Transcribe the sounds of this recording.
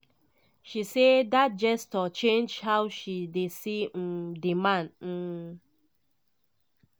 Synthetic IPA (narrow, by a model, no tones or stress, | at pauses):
ʃisedat̚d͡ʒɛstɔt͡ʃẽnd͡ʒhaʊwʃidesim̩dimãn̩